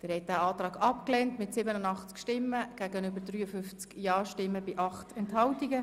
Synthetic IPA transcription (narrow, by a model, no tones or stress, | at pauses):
d̥ɪɾhɛt̚d̥æɑːtɾɑːɡɑpkleːntmɪtsɪbənənɑχt͡skʃtɪmːəɡ̥æːɡənʏbədryːəfʏft͡skjɑːʃtɪmːəbɪʔɑχtɛnthɑwtiɡə